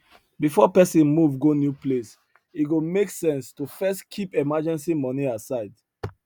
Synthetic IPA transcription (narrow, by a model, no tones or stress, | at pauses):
bifɔpɛsĩnmuvɡonjuples | iɡomeksɛ̃nstufɛstkʰipɛmad͡ʒɛ̃nsimɔniasaɪd